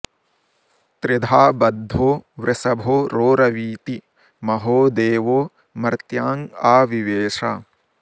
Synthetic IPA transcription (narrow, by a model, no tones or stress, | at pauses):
t̪ɾɪd̪ʱaːbɐd̪ʱːoːʋɾɪsɐbʱoːɾoːɾɐʋiːt̪i | mɐɦoːd̪eːʋoː | mɐɾt̪jaːŋaːʋiʋeːʂaː